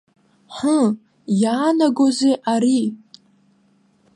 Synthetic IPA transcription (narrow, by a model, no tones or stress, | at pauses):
ħə | jaːnaɡʷozejʔaɾi